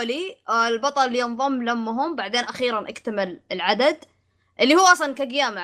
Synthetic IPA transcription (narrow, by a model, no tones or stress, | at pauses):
liɪlbɑt̪ˤɑllːijɨnðˤʊmːlamːʊɦʊmbaʕd̪eːnʔaxiːɾanʔa̰kt̪amɪlɪlʕad̪ad̪ | ʔɪlːihuːʔɑsˤlɑnkaɡjaːma